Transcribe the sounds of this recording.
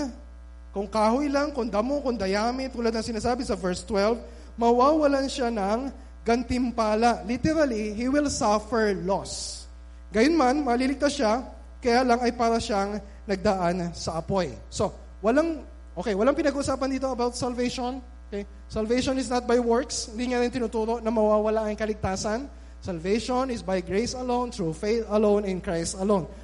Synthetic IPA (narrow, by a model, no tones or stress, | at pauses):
kʊŋkaːɦoʔɪlaŋkʊŋd̪ɐmokʊŋd̪ɐjaːmɪt̪ːuːlɐd̪̚nɐŋsɪnaːsaːbɪsɐvɛɹst̪wɛlv | mɐwawɐlanʃanɐŋ | ɡɐnt̪ɪmpaːlaʔlit̪ɛɾɐliɦiwɪlsafɛɹlos | ɡɐjonmanmɐlilɪɡ̚t̪aʃa | kɐjaːlɐŋɐjpaːɾɐʃaŋ | nɐɡ̚d̪aʔansɐʔɐpo̞j | so̞ | wɐlaŋ | ʔokejwɐlaŋpɪnɐɡuːʔʊsaːpɐnd̪iːt̪o̞ɐbawt̪̚sɐlvejʃon | okej | sɐlvejʃonɪsnɐt̪̚bajwɔɹkshɪnd̪iŋaɾɪnt̪ɪnʊt̪uːɾo̞ʔnɐmɐwaːwɐlaʔɐŋkɐlɪɡ̚t̪aːsɐn | sɐlvejʃonɪsbɐjɡɹejsɐlõwnt̪ɹufeθɐlõwnɪ̃nkɹajst̪ɐlõwn